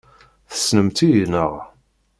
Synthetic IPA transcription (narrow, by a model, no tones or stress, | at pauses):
θə̥snəmt̪ijnə̰ʁ